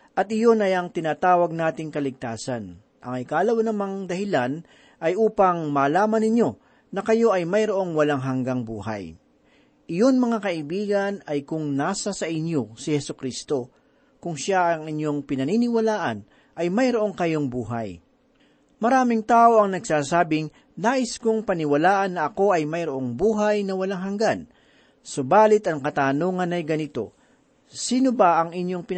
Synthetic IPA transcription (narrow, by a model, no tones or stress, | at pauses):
ʔɐt̪̚ʔɪjo̞nɐjɐŋt̪ɪnaːt̪aːwɐɡ̚naːt̪ɪŋkɐlɪɡ̚t̪aːsɐn | ʔɐŋɪkaːlɐwɐnɐmaŋd̪ɐhɪlan | ʔɐjʔuːpɐŋmaːlaːmɐnɪɲjo̞ | nɐkɐjo̞ʔɐjmɐjɾoʔo̞ŋwɐlaŋɦɐŋɡaŋbṵːɦɐ̰j | ʔɪjo̞nmɐŋakɐʔɪbiːɡɐnɐjkʊŋnaːsɐsɐʔɪɲjo̞sɪhɛsʊkɾist̪o̞ | kʊŋʃaʔɐŋɪnjo̞ŋpɪnɐninɪwɐlaːʔɐn | ʔɐjmɐjɾoʔoŋkɐjo̞ŋbuːɦa̰j | mɐɾaːmɪŋt̪aːʔo̞ɐŋnɐɡsaːsaːbɪŋ | naːʔɪskʊŋpɐnɪwɐlaːʔɐnːɐʔɐko̞ɐjmɐjɾoʔo̞ŋbuːɦajnɐwɐlaŋɦɐŋɡan | sobaːlɪt̪ʔɐŋkɐt̪aːnoːŋɐnɐjɡɐnɪt̪o̞̰ | siːnobaʔɐŋɪɲjo̞ŋpɪ